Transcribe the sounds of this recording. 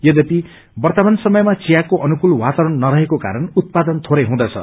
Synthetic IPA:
jʌd̪ʌpi | bʌrt̪ʌmansʌmʌjmat͡sijakoʔʌnukulwat̪aɾʌnːʌɾʌɦekoka̰ɾʌnut̪̚pad̪ʌnt̪ʰoɾʌjɦũd̪ʌt͡sʰʌ̰

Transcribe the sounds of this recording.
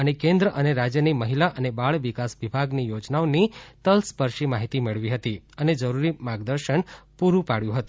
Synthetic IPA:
ənekẽnd̪ɾəʔəneɾad͡ʒjəniməɦilaʔənebaɭʋikasʋibʱaɡnijod͡ʒnaonit̪əlspəɾʃimaɦit̪imeɭʋiɦət̪iəned͡ʒəɾuɾimaɡd̪əɾʃəɳpuɾũpaɽjũɦət̪ũ

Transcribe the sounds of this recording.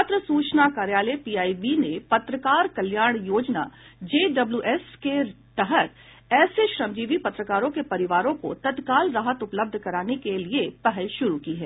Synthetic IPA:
t̪ɾəsuːt͡ʃnakaːɾjaːlepiːaːiʋinepɐt̪ɾəkaːɾkɐljaːɾɽ̃joːd͡ʒna̰d͡ʒeːɖɐbljuːʔɛːske | t̪ɐɦət̪ | ɛːseʃɾəmd͡ʒiːʋipɐt̪ɾəkaːɾõkepɐɾɪʋaːɾõko̰t̪ɐt̪kaːlɾaːɦət̪ʊpləb̚d̪ʱkɐɾaːnekeliepɛɦəlʃʊɾukiɦɛː

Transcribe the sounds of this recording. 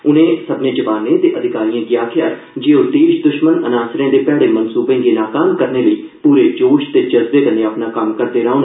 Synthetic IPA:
ʊnẽːsəbnẽːd͡ʒəʋaːnẽːt̪eːʔəd̪ʱɪkaːɾijãːkɪjaːkʰɪjaː | d͡ʒeːod̪eːʃd̪ʊʃmənənaːsɾẽːd̪eːpɛːɽeːmənsuːbẽːɡeːnaːkaːmkəɾneːləiː | puːɾeːd͡ʒoːʃt̪eːt͡ʃəzb̪eːkəneːaːpnaːkəmkəɾd̪eːɾaːon

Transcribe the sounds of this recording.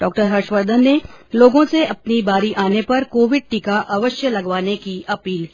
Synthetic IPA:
ɖɔːk̚ʈəɾɦɐɾʃʋəɾd̪ʱənːeloːɡõseɐp̚nibaːɾiʔaːnepɐɾkoːʋɪɖ̚ʈikaʔɐʋəʃjəlɐɡʋaːnekiɐpiːl

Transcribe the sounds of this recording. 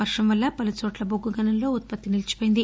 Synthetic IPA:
ɐɾʂɐmʋɐlːɐpɐlɐt͡ʃoːʈlɐboɡːuɡɐnɐnlo̞ːut̪̚pɐt̪ːinilɐt͡ʃi̥poːjind̪i

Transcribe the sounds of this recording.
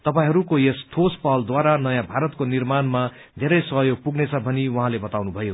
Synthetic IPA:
t̪ʌpaĩɦʌɾukojest̪ʰospʌld̪waɾanʌjãbʱaɾʌt̪konirmanma | d̪ʱeɾʌjsʌɦjoɡ̚puɡnet͡sʰʌbʱʌniwaɦãlebʌt̪awnubʱʌjo

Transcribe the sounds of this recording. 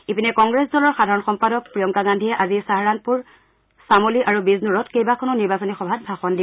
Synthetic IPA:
ipinɛkɔŋɡɹesdɔlɔɹxadʱaɹɔnxɔmpadɔk̚pɹijɔŋkaɡandʱijɛʔazisaɦaɹan̚puɹ | samoliʔaɹubiznuɹɔtkejbakʰɔnɔniɹbasɔnixɔbʱat̚bʱaxɔndibɔ

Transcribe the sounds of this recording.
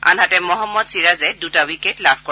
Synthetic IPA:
a̰nɦatɛmɔɦɔmːɔdsiɹazɛdutawiketlabʰʱkɔ

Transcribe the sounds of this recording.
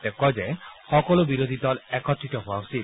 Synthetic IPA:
t̪ɛkɔzɛxɔkɔlobiɾod̪ʱid̪ɔlɛkʰɔt̪ːit̪ɔɦoasid̪

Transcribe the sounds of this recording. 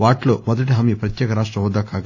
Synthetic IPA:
ʋaːʈloːmɔd̪ɐʈiɦɐmipɾɐt̪jɛːkɐɾaːʂ̬ʈɾɐɦɔːd̪aːkaːɡ

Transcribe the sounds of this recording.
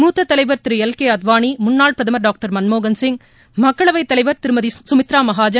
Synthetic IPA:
muːt̪ːɐt̪ːɐlɐɪʋɐɾt̪ɪɾɯɛlkeːɐd̪ʋaːɳimʊnːaːɭpɾɐðɐmɐɾɖaːk̚ʈɐɾmɐnmoːɡɐnsɪŋ | mɐkːɐɭɐʋɐɪt̪ːɐlɐɪʋɐɾt̪ɪɾɯmɐðisʊmɪt̪ɾaːmɐɦaːd͡ʒɐ

